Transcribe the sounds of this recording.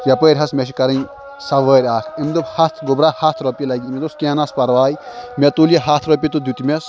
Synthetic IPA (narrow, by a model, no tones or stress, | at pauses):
jɐpəːɾʲɦɐsmeʃ̬ikɐɾɐn | sɐʋəːɾʲaːt̪ʰimd̪uphɐt̪ʰɡubɾaːhat̪ʰɾopʲilɐɡʲiimd̪uskʲeːnaspɐɾʋaːjimet̪uljɐɦaːt̪ʰɾɔp̬ʲit̪ud̪ut̪imʲes